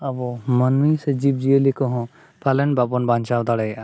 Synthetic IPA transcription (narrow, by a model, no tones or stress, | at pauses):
abɔmənmised͡ʒib̚d͡ʒielikɔɦɔ̃ | palɛnbabɔnbant͡ʃawd̪aɽɛjʔa